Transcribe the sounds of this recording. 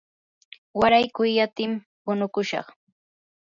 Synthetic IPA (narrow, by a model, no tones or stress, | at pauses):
waɾajkʊjːat̪ɪm | pʊnʊkʊʃɑ̰χ